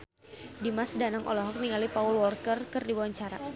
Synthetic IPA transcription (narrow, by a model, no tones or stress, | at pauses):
dimasdanaŋʔɔ̰lɔɦɔk̚niŋalipaulwɔrkərkɨrdibawaɲt͡ʃaɾa̰